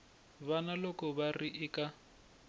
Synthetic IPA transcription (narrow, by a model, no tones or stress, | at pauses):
βanalɔkɔβariʔɪkʼa